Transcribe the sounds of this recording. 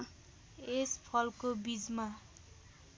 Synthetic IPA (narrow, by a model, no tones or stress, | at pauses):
espʰʌlkobid͡zma